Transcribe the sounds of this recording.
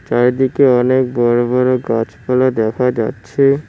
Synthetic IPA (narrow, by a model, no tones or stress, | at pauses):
t͡ɕaɾd̪ikeɔnek̚bɔɾobɔɾoɡat͡ɕpalod̪ɛkʰad͡ʑa̰tːɕʰe